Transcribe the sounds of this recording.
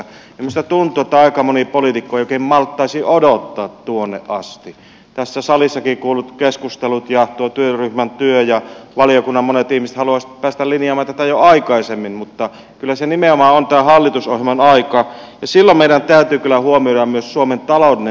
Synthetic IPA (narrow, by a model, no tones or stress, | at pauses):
emyst̪æt̪unt̪ˑuet̪ːæɑˑikɑmonipolit̪ikːoijoˑkehimmɑlt̪ːɑisiʔodot̪ːɑːt̪tuonːḛʔʔɑst̪i | t̪æsːæsɑlisːɑkikuːlːut̪keskust̪elut̪jɑt̪uot̪yøryhmænt̪yøjɑʋɑlijokunːɑmmonet̪ihmisĕ̥t̪hɑluɑspæːst̪ælinjɑˑmˑɑːnt̪æt̪æjoɑikɑisemːinmut̪ːɑ | kylːæsenimeomɑːont̪æːhɑlːit̪usohjemɑnɑikɑjɑsilːommeˑiɾænt̪æyt̪yːkylːæhuomioɾɑmmyøssuoment̪ɑloˑudine